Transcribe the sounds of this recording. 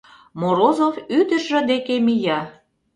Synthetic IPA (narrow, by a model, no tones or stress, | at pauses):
moɾozofyd̪əʃʒə̆d̪ekemijɑ